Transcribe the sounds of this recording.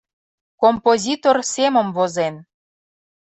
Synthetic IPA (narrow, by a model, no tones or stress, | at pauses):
kompozʲit̪orseməmvozen